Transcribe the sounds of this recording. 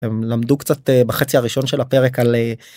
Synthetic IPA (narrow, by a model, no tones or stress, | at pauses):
emlamd̪ukt͡sat̪ebaχet͡siaʁiʃo̞nʃe̞lape̞ʁekale